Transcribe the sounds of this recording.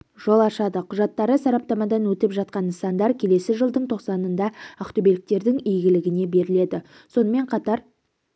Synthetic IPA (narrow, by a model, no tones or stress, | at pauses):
ʒ̥o̞lˠɑʃɑd̪əqʰʊʒɑt̪ːɑɾəsɑɾɑp̚t̪ɑmɑd̪ɑnwɵt̪ɪpʒɑt̪̚qɑnnsɑnd̪ɑɾkʲʰe̞le̞sɪʒəlˠd̪əɴt̪ʰo̞qsɑnənd̪ɑɑqt̪obelɪk̚t̪e̞ɾd̪ɪŋijɡʲɪlɪɡʲɪne̞be̞ɾɪle̞d̪ɪ | so̞nəme̞ɴqʰɑt̪ɑɾ